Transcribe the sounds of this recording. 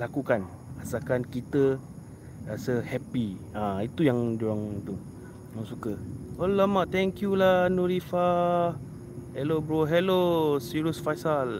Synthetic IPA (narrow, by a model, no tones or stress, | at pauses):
lakukan | asakankit̪ə | rasəhɛpi | ãit̪ujaŋd͡ʒoaŋt̪u | nãŋsukəolamãʔt̪ɛŋkjulanuɾifa | hɛlobɾoɦɛlosiɾiusfajsal